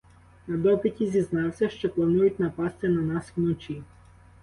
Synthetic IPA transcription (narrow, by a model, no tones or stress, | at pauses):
nɐd̪ɔpɪtʲizʲiznɑwsʲɐʃt͡ʃɔplˠɐnujʊt̚ʲnɐpɑst̪ɪnɐnɑswnɔt͡ʃʲi